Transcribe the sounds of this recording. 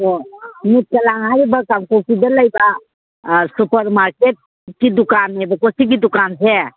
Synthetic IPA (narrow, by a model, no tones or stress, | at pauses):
omit̪̚kɐlaŋɦaɾibakamkokid̪əlajba | supəɾmaɾkeʈ̚ | kid̪ukanɛbakosik̬id̪ukanse